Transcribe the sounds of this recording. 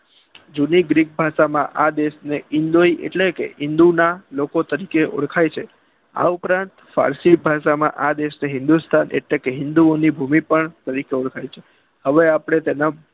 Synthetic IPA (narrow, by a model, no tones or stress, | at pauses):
d͡ʒuniɡɾik̚bʱaʃamãʔad̪eʃneɪnd̪oiʔḛʈlekḛɦɪnd̪unalokot̪əɾikeʔɔ̰ɽkʰajt͡ʃʰe | a̰upɾãnt̪fa̰ɾsibʱaʃamã̰ʔad̪eʃneɦɪ̃nd̪ust̪ʰanʔḛʈlekeɦɪ̃nd̪uonibʱumipəɳt̪əɾikeʊɽkʰajt͡ʃʰe | həʋeapəɽ̃et̪ena